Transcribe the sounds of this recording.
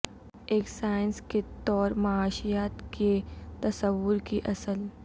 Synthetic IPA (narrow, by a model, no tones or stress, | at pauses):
eːksaːɪnsket̪ɔːɾmɐaːʃijaːt̪ket̪ɐsəʋːʊɾkiʔɐsəl